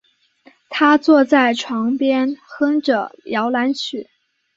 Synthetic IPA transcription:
t̪ʰa˥t͡swɔ˥˧t͡sa˥˩ɪʈ͡ʂʰwɑ˧˥ŋpjɛ˥nxɤ˥ŋʈ͡ʂɤ˨˩jɑ˧˥ʊla˧˥nt͡ɕʰy˨˩˦

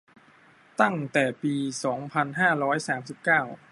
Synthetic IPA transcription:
t̪a˥˩ŋt̪ɛː˨˩piː˧sɔː˩˦ŋpʰa˧nɦaː˥˩ɾɔː˦˥jsaː˩˦msi˨˩p̚kaː˥˩w

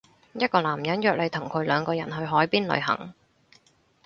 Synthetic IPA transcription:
jɐ˥t̚kɔː˧laː˨˩mjɐ˨˥njœː˧k̚le˨˧jt̪ʰʊ˨˩ŋkʰɵ˨˧ɥlœː˨˧ŋkɔː˧jɐ˨˩nɦɵ˧ɥɦɔː˨˥jpiː˥nlɵ̰˨˧ɥɦɐ̰˨˩ŋ

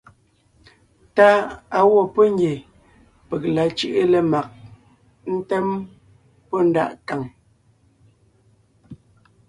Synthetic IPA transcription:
ta˦a˨wɔ˦˨pɔ˦ŋ˦ɡje˨ | pe˨k̚la˨t͡ʃɯ˦˨ʔe˦lə˨ma˨k̚ | n̩˦tɛ˦m | pɔ˦n̩˦da̰˦˨ʔka˨ŋ

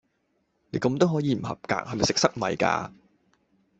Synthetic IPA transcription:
ne˨˧jkɐ˧mt̪o˥wɦɔː˨˥jiː˨˧m̩˨˩hɐ̰˨p̚ka̰ː˧k̚hɐ˨jm˨jsɪ˨k̚sɐ˥k̚mɐ˨jka̰ː˧

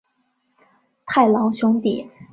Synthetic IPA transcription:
t̪ʰa˥˩ɪlɑ˧˥ŋɕʊ˧˥ŋt̪i˨˩˦

